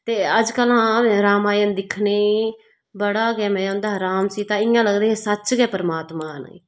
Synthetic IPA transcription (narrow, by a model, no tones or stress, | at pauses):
t̪eːəd͡ʒkəlɦãːɾaːmaːjənd̪ɪkʰneː | bəɽaːɡɛːmɛ̃ːõnd̪aːɾaːmsiːt̪ãːɪjãːləɡd̪eːeːsət͡ʃɡɛːpəɾəmaːt̪maːnə̰i